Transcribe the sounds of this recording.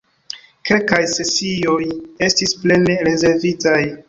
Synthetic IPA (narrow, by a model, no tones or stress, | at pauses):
ke̞lkajse̞sio̞je̞stisple̞ne̞ɾe̞ze̞ɾvitaj